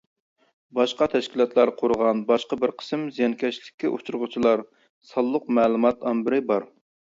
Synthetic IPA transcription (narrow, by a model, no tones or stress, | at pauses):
bɑʃqɑt̪ʰɛʃkʲilˠɑt̪lˠɑɾqʰoɾʁɑnbɑʃqɑbɪɾqʰə̥smzijɑnkʲʰɛʃlɪkʲʰːiʔot͡ʃʰuɾʊʁʊt͡ʃʰilˠɑɾ | sɑlˠːʊqmɛːlˠumɑt̪ɑnbɪɾɪbɑɾ